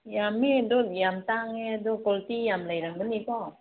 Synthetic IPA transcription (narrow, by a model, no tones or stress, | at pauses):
jamidɔt̚jamtaŋeadɔkɔltijamlajɾaŋbɯnikɔ